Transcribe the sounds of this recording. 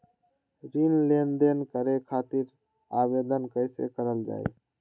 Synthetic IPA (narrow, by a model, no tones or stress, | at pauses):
ɾinlend̪enkəɾekʰat̪iɾ | abed̪ənkəɪsḛkəɾəld͡ʒa̰ːj̰